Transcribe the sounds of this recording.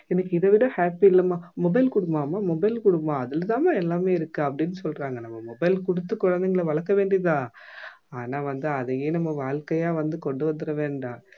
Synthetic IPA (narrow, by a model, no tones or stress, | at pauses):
ɛnɐkːɯɪðɐʋɪɽɐ̃haːpiɪlːɐmaːmɔbɐɪlkʊɽɯmːaːmaːmɔbɐɪlkʊɽɯmːãːɐðɪlɐt̪ãːmaːɛlːaːmeːɪɾɯkːɯɐpːɐɽɪnːɯsɔlːɾaːŋɡɐnɐmːɐmɔbɐɪlkʊɽɯt̪ːɯkːʊɻɐnd̪ɐŋɡɐɭɐʋɐɭɐkːɐʋeːɳɖiðãː | aːnaːʋɐnd̪ɯɐðɐjeːnɐmːɐʋaːɭkɐjaːʋɐnd̪ɯkɔɳɖɯʋɐnd̪ɯɾɐʋeːɳɖãː